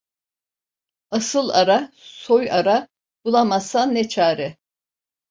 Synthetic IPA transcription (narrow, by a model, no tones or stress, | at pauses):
asɯlˠaɾa | sojaɾa | b̥ulˠamasanːet͡ʃʰaːɾɪ